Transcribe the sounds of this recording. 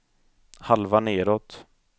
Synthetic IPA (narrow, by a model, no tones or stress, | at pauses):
halvaneːɾɔt̪